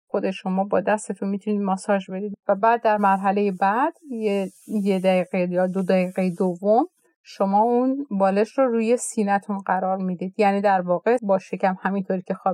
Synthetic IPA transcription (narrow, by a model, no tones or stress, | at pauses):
xo̞d̪e̞ʃo̞mɒːbɒːd̪æst̪e̞t̪ʰunmit̪ʰuniːd̪mɒsɒːd͡ʒbe̞d̪iːd̪væbæːd̪̚ːæɾmæɾɦæle̞jebæd̪̥jejed̪æiɣejɒːd̪od̪æiɣejed̪ovːom | ʃo̞mɒːunbɒːleʃɾɔɾuːje̞siːnæt̪ʰunɢæɾɒːɾmiːd̪iːd̪̥jæniːd̪æɾvɒːɣe̞bɒːʃecʰæmhæmint̪ʰoːɾiːcʰe̞xɒː